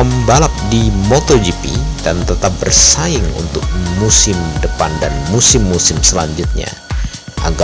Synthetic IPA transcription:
əmbalap̚dimot̪od͡ʒipḭd̥ant̪ət̪ap̚bərsaɪŋṵnt̪ʊk̚musɪmdəpandanmusɪmːusɪmsəlaɲd͡ʒʊt̪̚ɲa̰ʔaɡ

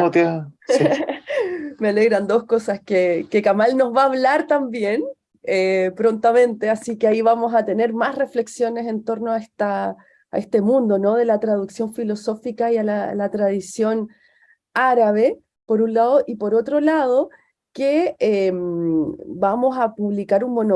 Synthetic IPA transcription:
ot̪ja | meale̞ɣɾand̪o̞sko̞saskekekamalno̞zβaːβlaɾt̪ambje̞n | epɾo̞nt̪amẽ̞nt̪e̞asikeaiβamo̞sat̪e̞ne̞ɾmasre̞fle̞ksjo̞ne̞se̞nt̪o̞ɾnoaest̪a̰ː | est̪e̞mũnd̪o̞no̞ðe̞lat̪ɾað̞uksjo̞ɱfilo̞so̞fikaialalat̪ɾaðisjo̞n | aɾaβe̞ | po̞ɾunlaðoʔipo̞ɾo̞t̪ɾo̞laðo̞ | keem | bamo̞sapuβlikaɾunmo̞no

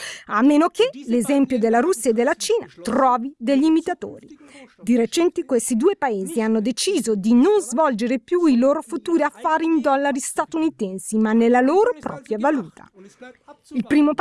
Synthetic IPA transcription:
amːeːnokelezɛmpjod̪elːaɾusːjaed̪ːelːat͡ʃiːnat̪ɾɔːvid̪eʎːiːmit̪at̪o̰ːɾi | d̪iɾet͡ʃɛnt̪ikwest̪id̪uːepaeːzianːod̪et͡ʃiːzod̪inonzvɔld͡ʒeɾepjuiloːɾofut̪uːɾiafːaːɾeind̪ɔlːaɾist̪at̪unit̪ɛnsimanːelːaloːɾopɾɔ̰ːpɾjavaluːt̪ʰa̰ | ilpɾiːmop

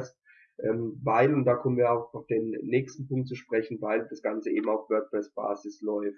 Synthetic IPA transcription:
st | ʔɛːmvaɪlʊnt̚d̥aːkʰɔmənviːɐaʊxfd̥eːnːɛːkstn̩pʰʊŋk̚t̚t͡suːʃpʁ̥ɛçn̩vaɪld̥asɡ̥ant͡səʔḛːbm̩aʊfv̥œɐk̚pʁ̥ɛsb̥a̰ːzɪslɔʏft

